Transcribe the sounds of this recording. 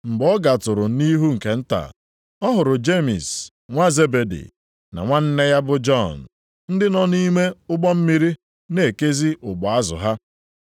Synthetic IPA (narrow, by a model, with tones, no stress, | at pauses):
ŋ͡m̩˨ɡ͡bɔ˦ɡa˨tʊ˨ɾʊ˨˦ni˦ɦu˦ŋ̩˨ke˨n̩˦ta̰˨ | ɔ˦ɦʊ˨ɾʊ˨d͡ʒe˦mḭ˨s | ŋʷa˦ze˦be˨dḭ˨ | na̰˨ŋʷa˦n̩˦ne˦ja˦bʊ˦d͡ʒɔ˦˨n̩˨ | n̩˦dɪ˦nɔ˦ni˦me˦ʊ˦ɡ͡bɔ˦m̩˦mi˦ɾi˦ | ne˨ke˦zi˦ʔʊ˨ɡ͡bɔ˨a˦zʊ̰˨ɦa˦